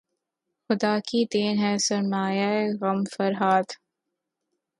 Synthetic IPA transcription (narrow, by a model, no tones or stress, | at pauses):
xʊd̪aːkid̪eːnɦɛːsɐɾmaːjaeɣɐmfɐɾɦaːd̪